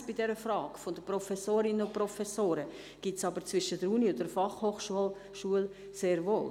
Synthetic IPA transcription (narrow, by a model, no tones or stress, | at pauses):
b̥idɛɾəfrɑːkfondəprɔfɛsoːɾɪnənʊnpɾɔfɛsoːɾə | ɡ̥itsɑbəɾt͡svɪʃəd̥əɾuniʊntdəfɑχhoːχʃuəl | ʃuəl | seːɾvoː